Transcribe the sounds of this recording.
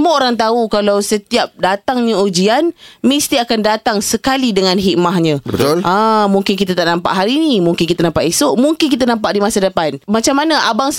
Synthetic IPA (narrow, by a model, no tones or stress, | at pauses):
əməoɾaŋt̪aukalawsət̪iap̚dat̪aŋɲaud͡ʒianmist̪iakandat̪aŋsəkalidəŋãnɦiʔ̚maɦɲə̃bət̪olʔãmuŋkɪnk̬it̪at̪aʔnampa̰ʔɦaɾinimuŋkɪnkit̪anampaʔisoʔmuŋkɪnk̬it̪̬anampaʔdimasadəpanmat͡ʃamːanaʔabaŋ